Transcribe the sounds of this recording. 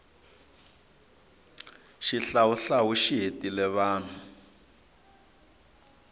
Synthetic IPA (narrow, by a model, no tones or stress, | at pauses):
ʃiɬawuɬaɦuʃiɦetʼilɛβaːn̤u